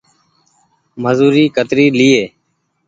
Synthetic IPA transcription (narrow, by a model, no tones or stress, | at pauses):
məzuːɾiːkət̪ɾiːliːeː